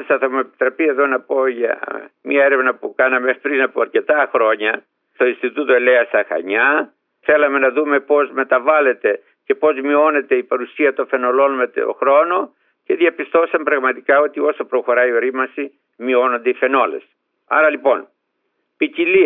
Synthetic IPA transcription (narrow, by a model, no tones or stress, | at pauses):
sɐθomoepi̥t̪ɾɐpie̞ðo̞nɐpo̞ʝɐ̰mɲɐeɾevnɐpukɐnɐmepɾinɐpoɐɾce̞t̪ɐxɾo̞ɲɐ | st̪o̞inst̪it̪ut̪oele̞ɐst̪ɐxɐ̰ɲɐ | θe̞lɐme̞nɐðume̞po̞zme̞t̪ɐvɐle̞t̪e̞ | ce̞po̞zmio̞ne̞t̪eipɐɾusiɐt̪onfe̞no̞lo̞nme̞t̪o̰xɾo̞no̞ | ce̞ðjɐpist̪o̞sɐmpɾɐɣmɐt̪ikɐo̞t̪io̞sɐpɾo̞xo̞ɾɐio̞ɾimɐsi | mio̞no̞nd̪eife̞no̞le̞̰s | ɐ̰ɾɐlipo̞n | picili